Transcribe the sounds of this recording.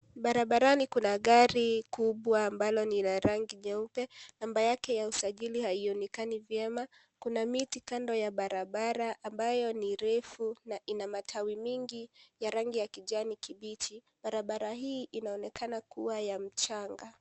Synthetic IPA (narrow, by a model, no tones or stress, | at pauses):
ɓaɾaɓaɾanikunaɠaɾikuɓwaːmbalɔninaɾaŋɡiɲɛupɛnambajakɛjausaʄilihaiɔnɛkanivjɛma | kunamitikandɔjaɓaɾaɓaɾaʔːmbajɔniɾɛfunaʔinamatʰawimiŋɡijaɾaŋɡijakiʄanikiɓit͡ʃi | ɓaɾaɓaɾahiːʔinaɔnɛkanakuwajam̩t͡ʃaŋɡa